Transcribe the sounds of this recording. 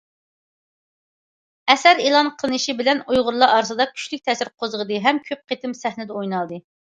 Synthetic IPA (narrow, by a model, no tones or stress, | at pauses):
ɛsɛɾelˠɑnqʰəlˠɨnɨʃibɪlɛnujʁʊɾlˠɑʔɑɾsɨd̪ɑkʲʰy̥ʃlɪk̚ʲt̪ʰɛsɪɾqʰozəʁəd̪ɨɦɛmkʲʰøp̚qʰet̪ʰɪmsɛhnɪd̪ɛojnɑlˠd̪ɨ